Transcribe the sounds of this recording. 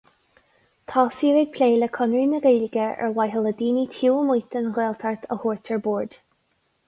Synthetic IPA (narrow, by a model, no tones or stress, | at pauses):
t̪ʰɑːsiːɾɪɡ̚pʰleːləkʰʊnɹiːnəɡejlɪɡəɛ̰ɹwajɦələd̪iːnit̪ʰuːmujt̪ənɣeːlt̪ʰaɹt̪ʰəhuːɹt̪ʰəɹboːɹd̪̥